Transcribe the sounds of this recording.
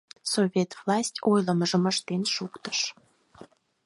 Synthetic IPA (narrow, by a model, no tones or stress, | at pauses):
sovʲet̪vlˠɑsʲtʲojləməʒəməʃt̪enʃukt̪ə̥ʃ